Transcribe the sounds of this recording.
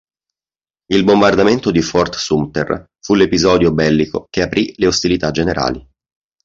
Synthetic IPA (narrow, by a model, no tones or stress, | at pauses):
ilbombard̪ament̪od̪ifɔrt̪sumt̪ḛr | fulepizɔːd̪jobɛlːiko̰k̟eapɾileost̪ilit̪ad͡ʒeneɾʔa̰ːli